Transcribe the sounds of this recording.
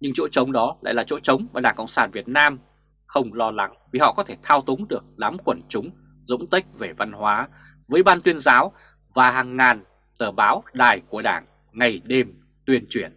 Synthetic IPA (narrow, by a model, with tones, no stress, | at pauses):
ɲɨ˧ŋt͡ɕo̰˧˥t͡ɕə˨˦wŋ͡mɗɔ˨˦la̰ː˧˥jlaː˨˩t͡ɕo̰˧˥t͡ɕə˨˦wŋ͡maː˨˩ɗaː˧˩ŋkə̰˧˨wŋ͡msaː˧˩nvi˨˩ət̚naː˧m | xə˧wŋ͡mlɔ˧la˨˦ŋvi˨˩hɔ̰˧˨kɔ˨˦t̪ʰe˧˩t̪ʰaː˧wt̪ʊ˨˦ŋ͡mɗɨ˨˩ək̚ɗaː˨˦mkwə˧˩nt͡ɕʊ˨˦ŋ͡m | zʊ̰˧˥ŋ͡mt̪i˦˥k̚ve˨˩va˧nhwaː˨˦ | vəː˨˦jɓaː˧nt̪wi˧ənzaː˨˦w | vaː˨˩ɦaː˨˩ŋːaː˨˩n | t̪əː˧˩ɓaː˨˦wɗaː˨˩jku˧˩əɗa̰ː˧˩ŋ | ŋa˨˩jɗe˧m | t̪wi˧ənt͡ɕwi˧˩ən